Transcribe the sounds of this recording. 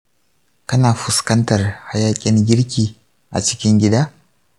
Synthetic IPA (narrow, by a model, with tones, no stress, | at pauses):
kɐ˦naː˨ɸʊ˨skɐ˦ntɐ˨rha˦jaː˦kʲʼɪ˦ŋɡʲɪ˦ɽkʲiː˨ | ʔa̰˨t͡ʃɪ̥˦kʲɪ˦ŋɡʲɪ˦daː˦